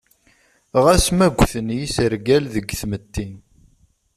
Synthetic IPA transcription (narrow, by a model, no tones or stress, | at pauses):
ʁæsmæɡʷθənjisəɾɡælðəɡθmət̪ːin